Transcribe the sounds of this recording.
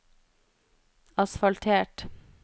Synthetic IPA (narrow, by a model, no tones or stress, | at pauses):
ɑsfɑlt̪ʰeːʈ